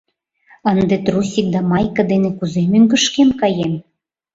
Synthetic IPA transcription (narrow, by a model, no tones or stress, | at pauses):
ənd̪et̪rusʲik̚d̪ɑmɑjkɤ̆d̪enĕkuzemyŋɡə̆ʃkemkɑjem